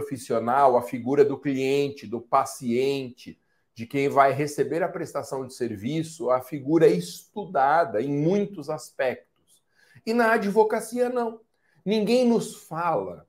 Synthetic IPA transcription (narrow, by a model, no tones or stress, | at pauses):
fisionawɐfiɡuɾɐd̪ʊkliẽnt͡ʃɪd̪ʊpasiẽnt͡ʃɪ | d͡ʒɪkẽj̃vajɦesebeɾɐpɾest̪asɐ̃w̃d͡ʒɪseɾvisʊɐfiɡuɾɐɪst̪ud̪ad̪ɐẽj̃mũj̃t̪ʊzaspɛk̚t̪ʊ̥s | ɪnɐad͡ʒivokasiɐnɐ̃w̃ | nĩŋɡẽj̃nʊsfalɐ